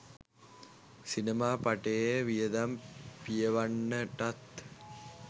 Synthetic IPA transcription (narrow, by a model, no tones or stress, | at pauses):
sinɐmaːpɐʈejeʋijɐd̪ɐmpijɐʋɐɳːɐʈɐt̪